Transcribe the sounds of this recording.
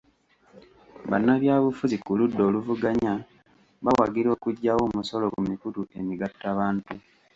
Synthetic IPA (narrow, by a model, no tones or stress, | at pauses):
βa̰nːaβjaːβufuzikuludːo̞ːluvuɡaɲa | βawaɡiɾo̞ːkuɟːawo̞ːmuso̞lo̞kumikutuʔe̞miɡatːaβaːntu